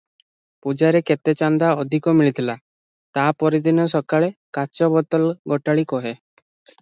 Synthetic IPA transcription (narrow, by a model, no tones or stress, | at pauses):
pud͡ʒaɾeket̪et͡ʃand̪aɔd̪ʱikɔmiɭit̪ʰila | t̪apɔɾid̪inɔsɔkaɭekat͡ʃɔbɔt̪ɔlɡɔʈaɭikɔɦe